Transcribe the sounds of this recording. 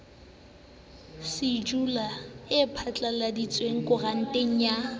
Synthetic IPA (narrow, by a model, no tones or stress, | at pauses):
sɪd͡ʒulaɪpʰat͡ɬʼaladit͡sʼweŋ̩kʼʊran̩tʼeŋ̩ja